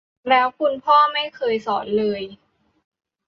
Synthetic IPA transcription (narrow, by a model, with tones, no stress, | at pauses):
lɛː˦˥wkʰu˧npʰɔː˥˩ma˥˩jkʰɤː˧jsɔː˩˦nlɤː˧j